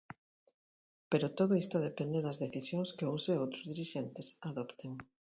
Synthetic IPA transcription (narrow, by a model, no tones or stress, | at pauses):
peɾot̪oðʊist̪ʊð̞epend̪eðɐzðeθisjoŋskɪuŋseowt̪ɾozðiɾiʃent̪esaðopt̪eŋ